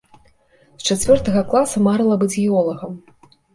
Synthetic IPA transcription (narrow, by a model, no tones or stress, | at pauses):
st͡ʂat͡sʲvʲɔrt̪ɐɣɐklˠasɐmaɾɨlˠɐbɨd͡zʲɣʲiɔlˠɐɣɐm